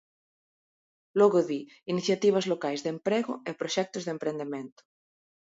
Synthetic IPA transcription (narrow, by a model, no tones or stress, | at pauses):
loɣoði | iniθjat̪iβ̞azlokajzðempɾeɣoepɾoʃɛk̚t̪ozðempɾend̪emẽnt̪o̥